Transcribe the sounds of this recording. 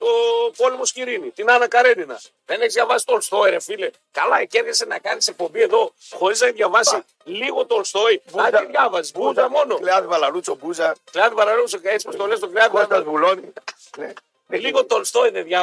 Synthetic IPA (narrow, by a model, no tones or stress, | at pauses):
t̪opo̞lemo̞sciɾinit̪inɐnɐkɐɾe̞d̪inɐ̰ | ðe̞neçizðʝɐvɐsi̥t̪olst̪o̞eɾefile | kɐlɐeceɾʝesenɐkɐnisek̚po̞mbie̞ðo̞xo̞ɾiznɐiðʝɐvɐsi | liɣo̞t̪olst̪oiɐiðʝɐvɐsizuzɐmo̞noleɐðivɐlalut͡sobuzɐkleɐðivɐlɐlusokespist̪o̞lest̪okleɐðiɐzbuloni | ne | liɣot̪olst̪oiðeðʝɐ